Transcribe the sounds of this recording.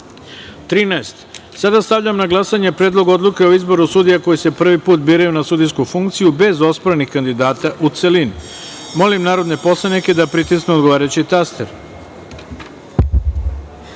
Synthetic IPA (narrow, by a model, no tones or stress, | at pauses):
t̪ɾiːnaest̪sad̪ast̪aʋʎamnaɡlˠasaɲe̞pɾe̞ːd̪lˠo̞ɡo̞d̪lˠuke̞oizbo̞ɾusud̪ijako̞jise̞pr̩ʋipuːt̪biːɾajunasuːd̪iskufuŋkt̪sijube̞zo̞spoɾenixkand̪id̪aːt̪aʔut̪selin | mo̞limnaːɾo̞d̪ne̞po̞slˠaniked̪apɾit̪isneo̞d̪ɡoaːɾajut͡ɕit̪ast̪eɾ